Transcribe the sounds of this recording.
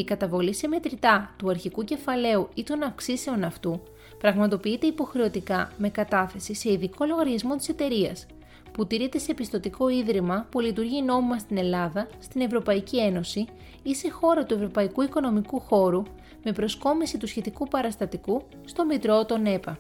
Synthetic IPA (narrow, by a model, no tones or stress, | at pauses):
ikɐt̪ɐvo̞lise̞me̞t̪ɾit̪ɐt̪uɐɾçikuce̞fɐle̞uit̪o̞nɐfksise̞o̞nɐft̪u | pɾɐɣmɐt̪o̞piit̪e̞ipo̞xɾe̞o̞t̪ikɐme̞kɐt̪ɐθe̞sise̞iðiko̞lo̞ɣɐɾʝɐzmo̞t̪i̥se̞t̪e̞ɾiɐ̰s | put̪iɾe̞t̪e̞se̞pist̪o̞t̪iko̞iðɾimɐpulit̪̬uɾʝino̞mimɐst̪ine̞lɐðɐst̪ine̞vɾo̞pɐicie̞no̞si | ise̞xo̞ɾɐt̪ue̞vɾo̞pɐikuiko̞no̞mikuxo̞ɾu | me̞pɾo̞sko̞misit̪usçe̞t̪ikupɐɾɐst̪ɐt̪iku | st̪o̞mit̪ɾo̞t̪o̞ne̞pɐ